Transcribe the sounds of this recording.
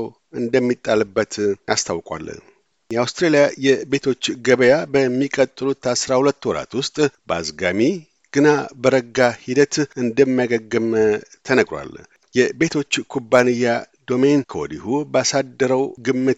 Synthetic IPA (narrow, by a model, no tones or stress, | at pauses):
w | ɨnd̪əmːit̪ʼːalɨbːət̪ʔast̪ʰawkʼwa̰l | jɛawst̪ɾelijajɛbe̞t̪ʰo̞t͡ʃːɡəβəjabəmːikʼət̪ʼːɨlut̪ʰasɾahulət̪ːwɔɾa̰t̪wʊst̪ʼbəazɡami | ɡ̥ɨnabəɾəɡːahid̪ət̪ɨnd̪əmːajaɡəɡːɨmt̪ʰənəɡɾwa̰l | jɛbe̞t̪ʰo̞t͡ʃːkʰubːanɨjːad̪o̞menkʰoɔd̪ihubəasad̪ːəɾəwɡɨmːɨt̪